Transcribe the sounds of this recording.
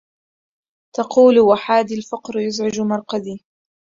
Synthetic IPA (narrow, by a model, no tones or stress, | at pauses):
t̪ɑquːlwaħaːd̪ilfɑqɾjʊzʕɪd͡ʒmɑɾˤqad̪iː